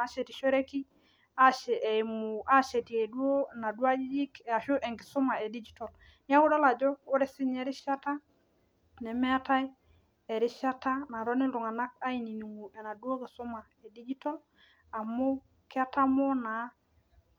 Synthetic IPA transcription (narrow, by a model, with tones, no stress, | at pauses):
a˦ʃɛ˨ti˨ʃɔ˦ɾe˦ki˦ | a˦ʃɛ˨ʔɛ˨mu˨a˦ʃɛ˨ti˨e˨du˦o˦˨na˨du˦a˦d͡ʒi˦d͡ʒi˦kɛ˨a˨ʃʊ˦ʔɛ˨ŋkɪ˨sʊ˦ma˨e˨di˦d͡ʒi˦tɔ˨l | nɪ˦a˦wʊ˦dɔ˦la˨d͡ʒɔ˦o˦ɾɛ˨sɪ˦ɲɛ˦ɾɪ˦ʃa˦ta˦ | nɛ˨mɛ˦a˦ta˦j | ɛ˨ɾɪ˦ʃa˦ta˦na˨ɾɔ˦nɪ˦dʊ˨ŋa˨na˦k̚a˦i˨ni˨ni˨ŋu˨ɛ˨na˨du˦o˦kɪ˨sʊ˦ma˨ | e˨di˦d͡ʒi˦tɔ˦l | a˨mo˦ | kɪ˦a˦ta˦mɔ˦na˨